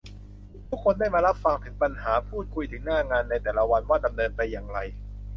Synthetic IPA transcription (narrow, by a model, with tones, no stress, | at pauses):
t̪ʰu˦˥kʰːo˧ndaː˥˩jmaː˧ɾa˦˥p̚fa˧ŋt̪ʰɯ˩˦ŋpa˧nhaː˩˦pʰuː˥˩t̪̚kʰu˧jt̪ʰɯ˩˦ŋnaː˥˩ŋaː˧nːa˧jt̪ɛː˨˩la˦wa˧nwaː˥˩da˧mnɤː˧npa˧jːaː˨˩ŋɾa˧j